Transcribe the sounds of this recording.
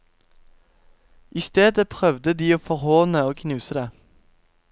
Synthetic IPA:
ʔɪst̪eːd̪əpʰʁœʋd̪əd̪iːoːfɔʁhoːnəoːkʰnʉːsəd̪eː

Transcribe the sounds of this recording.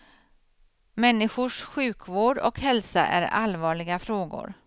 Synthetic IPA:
mɛnːɪɧʊʂɧʉ̟ːkʰvoːɖɔ̰khɛlsa̰ʔæ̰ɾa̰lvɑːɭɪɡafɾoːɡʊ̰ɾ

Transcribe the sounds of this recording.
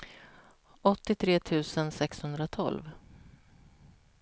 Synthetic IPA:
ɔt̪ːɪt̪ʰɾeːt̪ʰʉ̟ːsənsɛkshɵnd̪ɾat̪ʰɔ̰lv

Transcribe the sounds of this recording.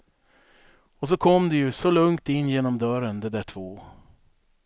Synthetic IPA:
ɔs̬ɔkʰɔmːd̪ɛjɵsɔlɵŋt̪ɪnːjeːnɔmd̪œɾənd̪ɛd̪æʈʰv̥oː

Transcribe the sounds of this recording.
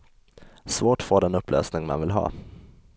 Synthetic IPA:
svoːʈfoːɖ̪ɛnɵpːlʔø̰ːsnɪŋma̰nvɪlɦɑ̰ː

